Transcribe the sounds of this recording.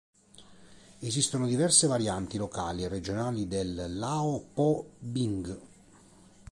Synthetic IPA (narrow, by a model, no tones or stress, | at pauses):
ezist̪onod̪ivɛrsevaɾjant̪ilokaːlierːed͡ʒonaːlid̪elːaːopɔbiŋɡ